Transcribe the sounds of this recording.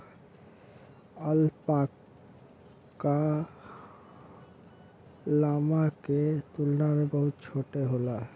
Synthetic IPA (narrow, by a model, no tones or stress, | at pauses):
əlpak | a | lamaket̪ulnaɾebəɦut̪̚t͡ʃʰoʈeɦola